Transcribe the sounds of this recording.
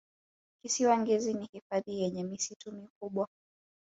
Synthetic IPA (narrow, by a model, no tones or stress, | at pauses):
kisiwaŋɡɛzinihifaðijɛɲɛmisitumikuɓwa